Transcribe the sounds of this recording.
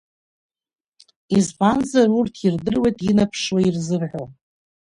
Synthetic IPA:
izpʰanzarurtʰirdɨrwe̞jtʼinapʰʂwairzɨrħʷo

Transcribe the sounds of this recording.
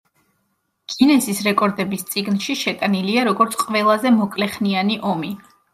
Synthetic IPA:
kʼinɛsisɾɛkʼɔɾd̪ɛbist̪sʼiɡnʃiʃɛt̪ʼaniliaɾɔɡɔɾt̪sʰqʼvɛlˠazɛmɔkʼlɛχnianiʔɔmi

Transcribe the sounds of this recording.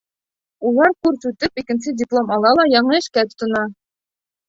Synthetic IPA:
ulˠɑɾkʉɾsʉt̪ɘpikɘ̆nsɘdʲɪplˠomɑlˠɑlˠɑjɑɴɤɘ̆ʃkæt̪ŏt̪ŏnɑ

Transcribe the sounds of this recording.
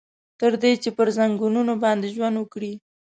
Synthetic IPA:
t̪əɾd̪et͡ʃepəɾzaŋɡununobɑnd̪eʒwand̪wəkɽi

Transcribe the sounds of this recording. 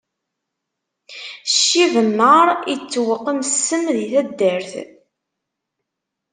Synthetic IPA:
ʃːivəmːəɾˤit͡sːwəqːəmsːəmðiθæd̪ːəɾθ

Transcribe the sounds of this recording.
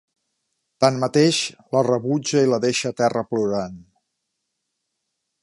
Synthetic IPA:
t̪anmət̪eʃlərəβud͡ʒəiləðeʃət̪ɛrəpluɾan

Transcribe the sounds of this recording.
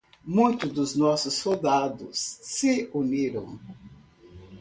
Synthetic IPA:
mũj̃t̪ʊd̪ʊznɔsʊsːowd̪ad̪ʊ̰sːɪuniɾɐ̰̃w̃

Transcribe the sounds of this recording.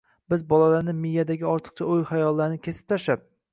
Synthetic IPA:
bɪzbɒlalaɾnɪmɪjːad̪aɡʲɪɒɾt̪ʰɨ̥q̚t͡ʃʰaojhajɒlˠːaɾnɪkʲʰe̞sɪ̥p̚t̪ʰaʃap̚

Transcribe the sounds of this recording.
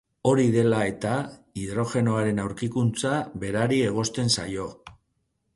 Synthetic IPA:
o̞ɾiðe̞lae̞t̪aiðɾo̞xe̞no̞aɾe̞nawɾkikunt͡saβe̞ɾaɾie̞ɣ̞o̞st̪e̞nsa̰jo̞

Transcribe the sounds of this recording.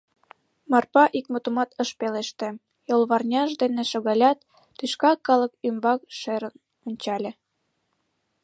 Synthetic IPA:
mɑrpɑʔikmot̪umɑt̪əʃpeleʃt̪ĕ | jolˠβɑrnʲɑʒd̪eneʃoɣɑlʲɑt̪ː | yʃkɑkːɑlə̆kymbɑkʃeɾən | onʲt͡ɕɑlʲĕ

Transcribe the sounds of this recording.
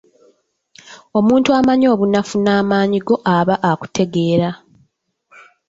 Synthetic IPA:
o̞muːntuamaɲo̞ːβunafunaːmaːɲiɡo̞ʔaβaʔaku̥tʰe̞ɡe̞ːɾa

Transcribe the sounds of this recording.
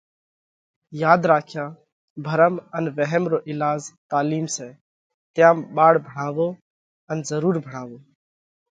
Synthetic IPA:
jaːd̪ɾaːkʰjaː | bʱəɾəmənʋəɦɛmɾoːʔɪlaːzt̪aːliːmseː | t̪jãːmɓaːɽbʱəɽaːʋoː | ənzəɾuːɾbʱəɽ̤̃aːʋoː

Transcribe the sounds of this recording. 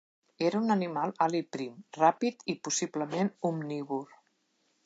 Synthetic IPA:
eɾəunənimalˠalipɾimrapit̪ipusibləmenumniβur

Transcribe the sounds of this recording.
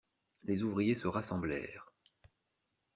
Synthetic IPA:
lezuvʁijesəʁasɑ̃blɛ̰ːʁ

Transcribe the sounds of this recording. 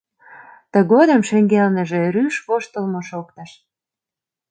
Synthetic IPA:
t̪ə̆ɣod̪ə̆mʃĕŋɡelnə̆ʒĕryʃβoʃt̪əlmoʃokt̪ɑʃ

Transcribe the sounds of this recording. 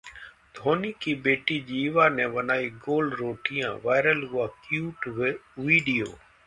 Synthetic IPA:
d̪ʱoːniːkiːbeːʈiːd͡ʒiːʋaːnɛ̃ːʋənaːiːɡoːlɖɾoːʈɪjã̰ːʋaːɪɾəlɦʊaːkjuːʈʋiːɖijo̰ː

